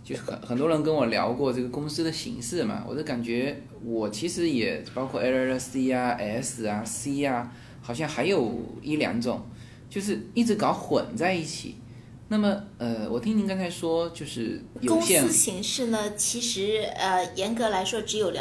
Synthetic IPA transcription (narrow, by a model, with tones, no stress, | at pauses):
t͡ɕjo˥˧ʊʂ̩˥˩xə̰˨˩nxə˨˩nt̪wɔ˥ɻə˧˥nkə˥nwɔ˨˩ljɑ̰˧˥ʊkwɔ˥˧ʈ͡ʂɤ˥˩ɡə˩kʊ˥ŋsɹ̩˥d̪ə˨ɕḭ˧˥ŋʂɻ̩˥˩mɐ̰˩wɔ̰˨˩d̪o˥˩ka˨˩nt͡ɕɥɛ˧˥ | wɔ˨˩t͡ɕʰi˧˥ʂɻ̩˧˥jɛ˨˩pɑ˥ʊkʰwɔ˥˩ɛ˥˧ə˥˩ɛ˥si˥a˧ʔɛ˧˥s̩˨˩ɐ˩si˥a˧ | xɑ˨˩ʊɕjɑ˥˩ŋxa˧˥ɪjo˨˩ʊi˥˩ljɑ̰˧˥ŋʈ͡ʂʊ̰˨˩˦ŋ | t͡ɕjo˥˧ʊʂ̬ɻ̩˥˧i˥˩ʈ͡ʂɻ̩˧˥kɑ˧˥ʊxwə̰˨˩nt͡sa˥˧ɪi˥˩t͡ɕʰḭ˨˩˦ | na˥˩mə˨ə˧˩wʔɔ̰˨˩t̪ʰi˥ŋni˧˥kɑ˥nt͡sʰa˧˥ɪʂwɔ˥t͡ɕjo˥˧ʊʂɻ̩˥˩jo˨˧ʊ˥ɕjsɛ˥˧˥ɕi˧˥ŋʂɻ̩˥˩nə˩t͡ɕʰi˧˥ʂɻ̩˧˥ə˧jɛ˧˥nkɤ˧˥la˧˥ɪʂwɔ˥ʈ͡ʂɻ̩˧˥jo˨˩ʊl